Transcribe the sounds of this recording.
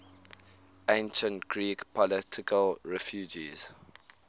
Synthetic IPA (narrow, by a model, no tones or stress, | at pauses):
ẽnʃə̃ntɡ̥ɹiːkpʰɔlɪtʰɪkʰəlɹɛfjuːd͡ʒḭz̥